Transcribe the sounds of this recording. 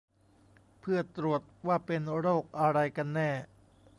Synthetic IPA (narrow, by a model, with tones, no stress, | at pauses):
pʰɯ˥˩ət̪ɾu˨˩ət̪̚waː˥˩pe˧nɾoː˥˩k̚ʔa˧ɾa˧jka˧nːɛː˥˩